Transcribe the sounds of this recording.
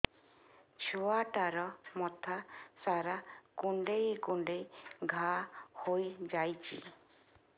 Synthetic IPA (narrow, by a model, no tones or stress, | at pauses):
t͡ʃʰuaʈaɾɔmɔt̪ʰasaɾakuɳɖejkuɳɖejɡʱahojd͡ʒajt͡ʃʰḭ